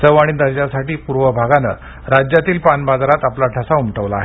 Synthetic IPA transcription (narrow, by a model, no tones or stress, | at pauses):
t͡səʋaɽ̃id̪əɾd͡ʑasaʈiːpuɾʋəbʱaɡanə̰ | ɾad͡ʑjat̪iːlpanbad͡zaɾat̪aplaʈʰasaumʈəʋla̰ːɦe